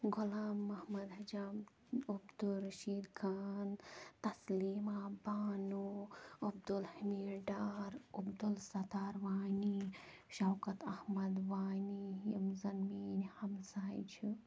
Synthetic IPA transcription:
ɡʊlaːmːɐhmɐd̪ɦɐd͡ʒaːm | ubd̪uɾɐʃiːd̪kʰaːnt̪ɐsliːmaːbaːnuɐb̚d̪ulhimiːɾɖaːɾubd̪ulsɐt̪aːɾʋaːni | ʃɐwkɐt̪ɐhmɐd̪ʋaːnijimzɐnmiːnhɐmsaːjt͡ʃʰi

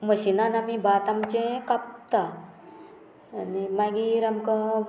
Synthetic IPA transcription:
məɕinanamibʱaːt̪amt͡ɕẽkap̚t̪a | nimaɡiɾamkə

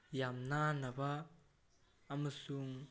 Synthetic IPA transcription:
jamnanɐbɐ | mɐsuŋ

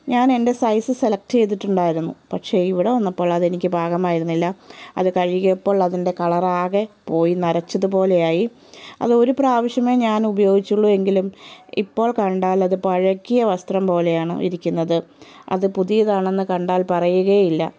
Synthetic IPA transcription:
ɲaːne̞nde̞sɐjsɨse̞lɐk̚ʈɨt͡ɕe̞jt̪̬ːiʈːuɳɖaːjiɾunːṵpɐʈʂe̞ːiʋiɽeʋɐnːɐpːo̞ːɭɐðɨe̞nikʲːɨbʱaːɡɐmaːjiɾunːilːɐɐ̰ðɨkɐɻiɣɐpːo̞ːɭɐðinde̞kɐɭɐraːɣepo̞ːjinɐɾɐt͡ɕːɐðɨp̬o̞ːle̞jaːji | ɐ̰ðɨo̞ɾupraːʋɐʂjɐme̞ːɲaːnubɐjo̞ːɡit͡ɕːuɭːue̞ŋɡilumḭpːo̞ːɭkɐɳɖaːlɐðɨpɐɻɐkːijɐʋɐst̪rɐmpo̞ːle̞jaːɳɨ̰ʔḭɾikʲːunːɐðɨɐ̰ðɨpuðijɐðaːɳe̞nːɨkɐɳɖaːlpɐrɐjuɣɐjilːɐ̰

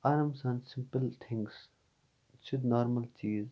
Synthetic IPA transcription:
aɾəmsãnɖsɪ̃mpəlt̪ʰɪ̃ŋs | t͡ʃʊd̪nɔːɾməlt͡ʃiːz

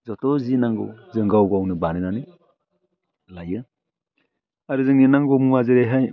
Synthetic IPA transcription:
zɔtɔzinaŋɡɯ̰wzɯŋɡawɡawnɯbanɯnanɯ | lajɯ | aɾɯzɯŋninaŋɡɔmuazɯɾejɦaj

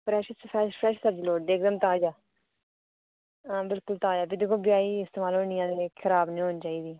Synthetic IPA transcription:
pɾɛːʃəspɛːʃpʰɾɛːʃsəd͡ʒloːɖ̪eːkd̪əmt̪aːd͡ʒaː | bɪlkʊlt̪aːd͡ʒaːpʰid̪eːkʰoːbjaːiːɪst̪eːmaːlɦoːnɪjãːd̪eːkʰɪɾaːbnĩːɦoːnt͡ʃaːiːd̪iː

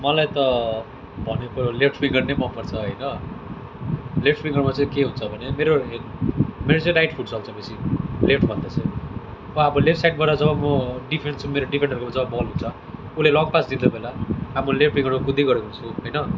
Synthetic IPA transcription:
mʌlajt̪ʌ | bʱʌnekolepʈʰpiŋɡʌrnejmʌnpʌrt͡sʰʌɦʌjnʌ | lepʈpiŋɡʌrmat͡sʌ̃ikeɦunt͡sʰʌbʱʌnemeɾoɦemeɾot͡sʌ̃j̃najʈpʰuʈt͡sʰʌɦlt͡sʰʌbesilepʈʰbʱʌnd̪ʌt͡sʰʌbʌʌbʌlep̚sajʈ̚baɾʌd͡zʌbʌmʌɖipʰeɳt͡sʰumeɾoɖipʰenɖʌɾkomad͡zʌbʌbʌlɦunt͡sʰʌ | ulelɔŋɡpasd̪ind̪obelaɦamulepʈʰpiŋɡʌrmakud̪ʱiɡʌɾekoɦunt͡sʰuɦʌjnʌ

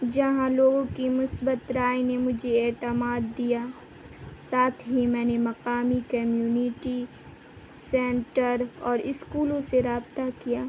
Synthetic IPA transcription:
d͡ʒɐɦãloːɡõkimʊsbət̪ɾaːinemʊd͡ʒʱeeːt̪əmaːd̪ːija | saːt̪ʰɦimɛ̃ːnemɐqaːmikɐmjuːnɪʈi | sɛ̃ːɳʈəɾɔːɾɪskuːlõseɾaːbt̪akijaː

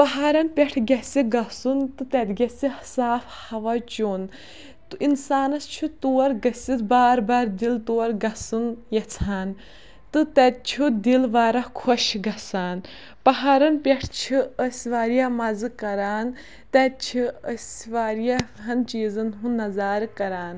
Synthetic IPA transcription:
pɐɦaːɾɐnpʲɛʈʰɡʲɐsiɡɐsunt̪ɨt̪ɛd̪ɡʲɐsihsaːfhɐʋɐt͡ʃoːn | t̪ɨinsaːnɐst͡ʃʰut̪uːɐɾɡɐsit̪baːɾbaːɾd̪ilt̪oːɐɾɡɐsɨnjɐt͡sʰaːn | t̪ɨt̪ɛt̪̚t͡ʃʰud̪ilʋaːɾɐhkʰoʃɡɐsaːn | pɐɦaːɾɐnpʲɐʈʰt͡ʃʰiəsʲʋaːɾijamɐzɨkɐɾaːn | t̪ɛt̪̚t͡ʃʰiəsʋaːɾjaɦɐnt͡ʃiːzɨnɦunːɐzaːɾkɐɾaːn

